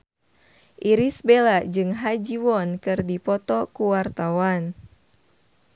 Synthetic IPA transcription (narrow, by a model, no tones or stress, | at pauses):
ʔiɾisbelaʔd͡ʒɨŋɦad͡ʒiwɔnkɨrdipɔt̪ɔkuwart̪awan